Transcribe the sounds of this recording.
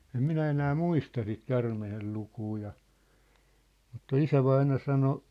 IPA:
em minæ enæː muistɑ sit kærmehel lukuː jɑ mutːɑ isæʋɑinɑ sɑno

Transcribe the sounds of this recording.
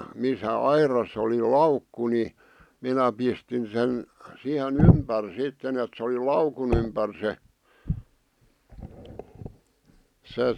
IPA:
misæ ɑirɑsˑ oli lɑukːu ni minæ pistin sen sihen ympær sitːen et sĕ oli lɑukun ympær se se

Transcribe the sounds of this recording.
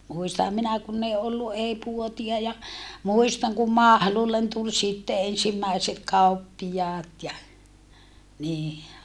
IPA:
muistɑhɑm minæ kunː ei olːu ʔei puotiɑ jɑ muistɑŋ kum mɑhlulːen tul sitːe ensimːæiset kɑupːijɑːt jɑ niː

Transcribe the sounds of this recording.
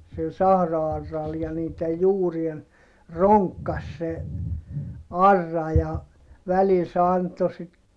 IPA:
sil sɑhrɑɑrːɑl jɑ niːtej juːrien roŋkːɑs se ɑrːɑ jɑ ʋælil se ɑnto sit

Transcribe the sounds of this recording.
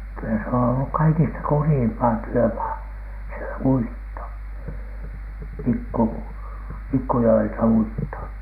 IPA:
kylæ se on olːuk kɑikistɑ kurjiːmpɑː tyømɑː se uitːo pikːu pikːujoeltɑuitːo

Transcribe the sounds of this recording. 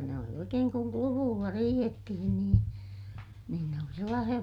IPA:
ne oli oikeːŋ kuŋ kluʋuːlːɑ riːhetːihin niːn niːn ne oli selːɑːsij̆ɑ

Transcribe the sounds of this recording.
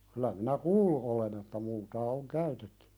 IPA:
kylæ minæ kuːlːu ʔolen etːæ multɑː oŋ kæytetːẙ

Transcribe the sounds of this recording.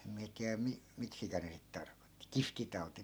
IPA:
em miæ tiæ mi miksikæ ne sit tɑrkotːi kiftitɑu̞ti

